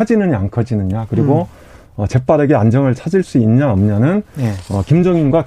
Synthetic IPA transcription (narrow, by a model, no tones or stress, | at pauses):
ad͡ʑinɯɲaŋkʰʌd͡ʑinɯɲakɯɾiɡo | ʌt͡ɕe̞p͈aɾe̞ɡe̞and͡ʑʌŋɯɭt͡ɕʰad͡ʑiɭs͈uinɲaʌmɲʌnɯnʌ̰kimd͡ʑʌŋinɡwa